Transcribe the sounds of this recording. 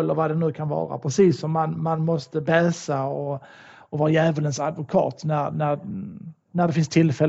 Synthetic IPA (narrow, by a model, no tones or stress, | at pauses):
lːəɾvad̪ɛnʉ̟ːkʰanvɑ̰ːɾa̰pʰɾɛsiːsːɔmːanmanmɔst̪əbɛːsaɔ | ɔvɑːɾajæːvələnsad̪vʊkʰɑ̰ːt̪næɾnæɾ | næɖɛfɪnst̪ʰɪlːfɛl